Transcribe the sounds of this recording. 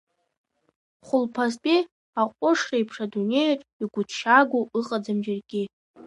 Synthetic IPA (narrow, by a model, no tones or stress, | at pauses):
χʷʊlpʰaztʼi | aqʷʼʊʂrejpʰʂadunejaʈ͡ʂʼiɡʷʊtʰʃaɡʷoɨqʼad͡zamd͡ʒarɡʲʼɪ